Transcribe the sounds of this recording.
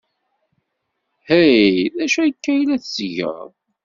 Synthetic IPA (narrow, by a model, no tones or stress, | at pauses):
hæjðæʃujəkːæjlæθsəʝə̰ð